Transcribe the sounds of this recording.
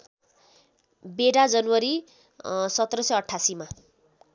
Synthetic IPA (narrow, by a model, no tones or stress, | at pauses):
beɽad͡zʌnwʌɾi | sʌt̪ːrʌsʌjʌʈʰːasima